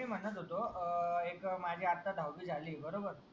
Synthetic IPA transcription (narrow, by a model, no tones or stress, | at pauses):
iːm̤ənət̪ɦot̪oekmad͡ʑʱiːat̪ad̪ʱawʋiːd͡zʱaliːbəɾobəɾ